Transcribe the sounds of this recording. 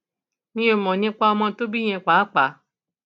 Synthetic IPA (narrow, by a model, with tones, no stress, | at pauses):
nĩ˦o˧˨mɔ̃˨nĩ˦k͡pa˦ɔ˧mɔ̃˧˦to˦bi˦j̃ɛ̃˧k͡pa˨˦k͡pa˨˦